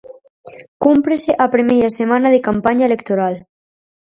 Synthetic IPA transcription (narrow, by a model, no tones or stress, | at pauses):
kumpɾeseʔapɾimejɾasemãnaðekampaɲaelekt̪oɾal